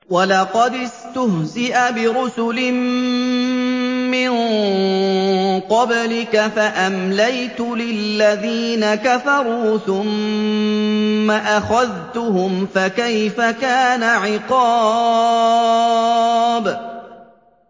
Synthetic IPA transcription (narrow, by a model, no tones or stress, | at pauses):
walɑqɑd̪ɪst̪ʊhzɪʔabɪɾʊsʊlɪm | mɪn | qɑblɪkafaʔamlajt̪ʊlɪlːaðiːnakafɑɾˤuːθʊm | aʔaxaðt̪ʊhʊmfakajfakaːnaʕɪqɑ | b